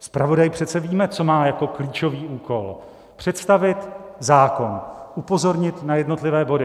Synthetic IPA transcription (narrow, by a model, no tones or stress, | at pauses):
spɾavo̞dajpr̝̥ɛt̪t͡sɛviːmɛt͡so̞maːjako̞kliːt͡ʃo̞viːʔuːko̞l | pr̝̥ɛt̪st̪avɪt̪zaːko̞nʔupo̞zo̞ɾɲɪt̪najɛdno̞t̪lɪvɛːbo̞dɪ